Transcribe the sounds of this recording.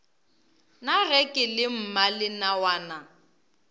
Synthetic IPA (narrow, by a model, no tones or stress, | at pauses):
naɣɛkʼɪlɪm̩malɪnawaːna